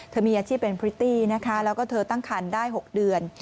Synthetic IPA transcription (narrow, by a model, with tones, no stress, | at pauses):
t̪ʰɤː˧miː˧ʔaː˧t͡ɕʰiː˥˩p̪̚pe˧npʰɾi˦˥t̪ːiː˥˩na˦˥kʰa˦˥lɛː˦˥wkɔː˥˩t̪ʰɤː˧t̪a˥˩ŋkʰaː˧ndaː˥˩jɦo˨˩k̚dɯ˧ən